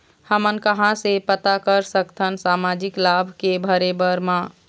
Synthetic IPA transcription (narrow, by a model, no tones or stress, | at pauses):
həmənkəɦãsepət̪akəɾsəkt̪ʰənsamad͡ʒiklabʱkebʱəɾebəɾmã